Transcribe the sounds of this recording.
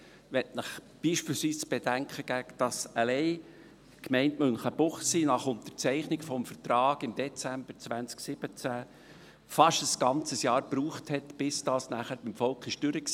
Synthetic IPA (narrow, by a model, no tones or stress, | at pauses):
ʋɛtnɪχ | b̥iːʃpiːlsʋiːsb̥edæŋkχəɡ̥ækd̥ɑsəlɛɪ | kmɛɪntmʏnχəb̥ʊχsinɑχʊnt̪əɾt͡sɛɪχnɪɡfɔmfəɾtɾɑːɡ̥ɪmd̪ɛt͡sæmb̥əɾt͡svænt͡sksɪb̥ət͡sæ | fɑʃtəsɡ̥ɑnt͡səsjɑːɾpɾuːχthɛtb̥ɪsd̥ɑːsnæχəɾb̥ɪmfɔlkχɪʃd̥ʏɾəks